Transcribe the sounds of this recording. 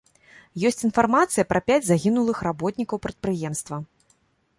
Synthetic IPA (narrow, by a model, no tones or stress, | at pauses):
jɔsʲt͡sʲin̪farmat̪sɨjɐpɾʔɐpʲad͡zʲzaɣʲinulˠɨxrabɔt̪ʲnʲikɐwpɾɐt̪̚pɾɨjɛmst̪vɐ